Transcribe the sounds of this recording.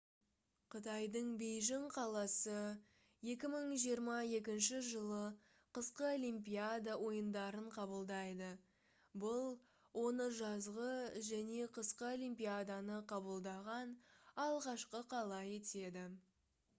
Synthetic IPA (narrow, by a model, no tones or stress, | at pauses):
qʰʊt̪ɑjd̪əɴbejʒɪɴqʰɑlˠɑsə | je̞kʲɪməɴʒijəɾmɑe̞k̬ʲɪnʃɪʒəlˠə | qəsqəolʲimpiad̪awo̞jənd̪ɑɾəɴqʰɑbəlˠd̪ɑjd̪ə | bʊlˠ | wo̞nəʒɑzʁəʒæne̞qʰəsqəolimpʲijad̪anəqʰɑbəlˠd̪ɑʁɑnɑlˠʁɑʃqəqʰɑlˠɑje̞t̪e̞d̪ɪ